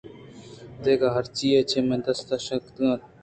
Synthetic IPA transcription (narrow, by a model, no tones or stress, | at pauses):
d̪eːkʰaɦɐɾt͡ʃiːet͡ʃʰeːmẽːd̪ɐst̪aʃɐkt̪a